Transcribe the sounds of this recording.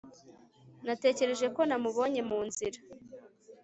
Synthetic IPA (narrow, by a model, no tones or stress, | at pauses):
nate̞ːce̞ɾe̞ʒe̞ko̞namuβo̞ɲe̞muːnziɾa